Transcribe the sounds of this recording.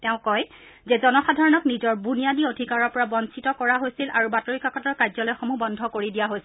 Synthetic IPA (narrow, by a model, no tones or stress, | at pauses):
tɛʊ̃kɔj | zɛzɔnɔxadʱaɹɔnɔknizɔɹbunijadiodʱikaɹɔɹpɔɹabɔnsitɔkɔɹaɦojsilʔaɹubatoɹikakɔtɔɹkajzɔlɔjxomubɔndʱɔkoɹidijaɦojs